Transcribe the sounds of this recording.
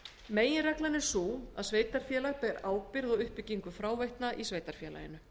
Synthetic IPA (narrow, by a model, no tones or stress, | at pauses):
meːjɪnrɛklanɛɾ̥suːa̰ðsveːjt̪aɾ̥fjɛːlaɣpɛːɾaːwpɪɾðɔʏhpɪcːiŋkʏfɾaːwvejht̪naʔisveːjt̪aɾ̥fjɛːla̰jɪ̰nʏ